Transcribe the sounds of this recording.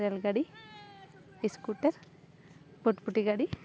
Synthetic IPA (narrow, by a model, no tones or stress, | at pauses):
ɾjalɡaɽi | iskuʈɐɾ | boʈpuʈiɡaɽi